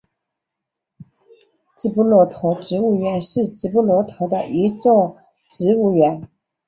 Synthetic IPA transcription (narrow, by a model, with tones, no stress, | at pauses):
t͡sɹ̩˥˧˩pu˥lwɔ˧˥t̪ʰɔ˧˥ʈ͡ʂɻ̩˧˥˦u˥˩ɥɛ˧˥nʂɻ̩˥˩t͡sɹ̩˧˥pu˥lwɔ˧˥t̪ʰɔ˧˥d̪ə˧˨ʔi˧˥t͡so˥˩ | ʈ͡ʂɻ̩˧˥u˥˩ɥɛ˧˥˦n